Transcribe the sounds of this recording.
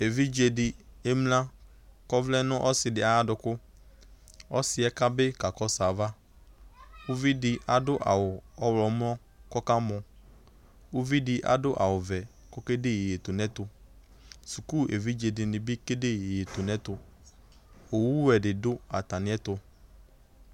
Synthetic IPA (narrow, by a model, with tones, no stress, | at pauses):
e˨vi˦d͡ʒe˨dɪ˨e˦mlã˦ | kɔ˦vlɛ˦nʊ̃˦ʔɔ˦sɪ˨dɪ˨a˦a˦dʊ˨kʊ˦ | ɔ˦sɪ˦ɛ˦ka˦bɪ˦ka˨kɔ˦sa˨va˦ | ʊ˦vi˦dɪ˨a˨dʊ˦ʔa̰˨wʊ˨ɔ˦wlɔ˨˦mlɔ˦ | kɔ˦ka˦mʊ̃˨ | ʊ˦vi˦dɪ˦ʔa̰˨dʊ˦ʔa˨wʊ˨vɛ˨ | kɔ˦ke˦dɪ˦je˨e˨t̪ʊ˨nɛ̃˦t̪ʊ˨ | su˨ku˦e˨vi˦d͡ʒe˨dɪ˨nɪ̃˨bɪ˦ke˦de˦je˨je˨tʊ˨nɛ̃˦t̪ʊ˨ | o˨wu˦wɛ˨dɪ˨dʊ˦a˨t̪a˨nɪ̃˦ɛ˦t̪ʊ˨